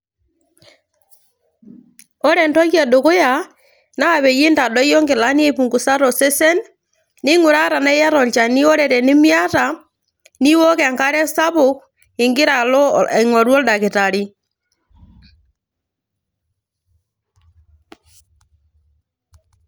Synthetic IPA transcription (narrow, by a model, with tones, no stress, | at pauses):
ɔ˦ɾɛ˨ntɔ˦kja˨do˨ko˦ja˨ | naː˦˨βɛ˨ji˦nta˨dɔ˦jɔ˦ŋɡɪ˨la˦ni˦e˨pu˨ŋɡu˨sa˦ɾɔ˨se˦sɛ˦nː | ɪ˦ŋu˨ɾa˦ɾa˨na˦jɛ˦ɾɔ˨ɲt͡ʃa˨ni˦ɔ˦ɾɛ˨ɾɛ˨nɪ˦mja˦ta˨ | ni˦wɔ˦kɛ˨a˨ŋka˦ɾɛ˦sa˦βʊ˦k | ɪ˨ŋɡɪ˦ɾa˨lɔ˦˨ŋwɔ˨ɾwɔ˦lda˨kɪ˨ta˨ɾi˦